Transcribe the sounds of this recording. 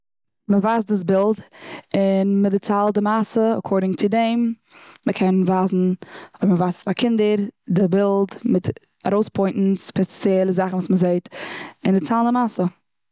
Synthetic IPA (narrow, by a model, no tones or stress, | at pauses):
məvaːsdɪs̬bɪlˠdɪnmədɪt͡salˠdɪmasəɔ̰kʰɔɾdɪŋt͡sɪdɛɪmː | əkʰɛnvaːzn̩ɔbməvastsakʰɪndəɾdɪbɪlˠdmɪt | a̰ɾoʊspʰɔɪnʔn̩spɛt͡sjɛlˠəzaχn̩vuːsməzeɪtɪndɪt͡salˠndɪmasə